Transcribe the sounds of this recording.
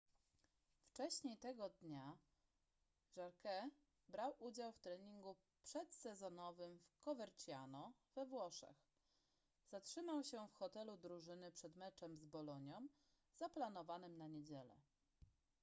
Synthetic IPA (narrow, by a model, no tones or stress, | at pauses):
ft͡ʂɛɕɲejt̪ɛɡɔd̪ɲa | ʐaɾkɛ | bɾawʔud͡ʑawft̪ɾɛɲiŋɡu | pʂɛt̪sɛzɔnɔvɘmfkɔvɛɾt͡ɕjanɔvɛvwɔʂɛ̰x | z̥atʂɘmawɕɛfxɔt̪ɛlud̪ɾuʐɘnɘpʂɛd̪mɛt͡ʂɛmzbɔlɔɲɔm | z̥aplanɔvanɘmnaɲed͡ʑɛlɛ̰